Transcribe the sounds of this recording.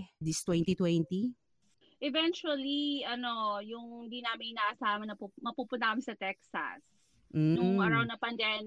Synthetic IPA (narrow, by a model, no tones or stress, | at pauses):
d̪ist̪wɛnt̪it̪wɛnt̪i | ʔɛvɛnt͡ʃuɐliʔɐnojʊŋd̪inaːmɪŋnaːʔɐsaːmɐnɐpumɐpuːpʊnt̪ɐamɪnsɐt̪ɛksɐ̰s̩ | nʊŋmaɾawnɐpɐnd̪ɛm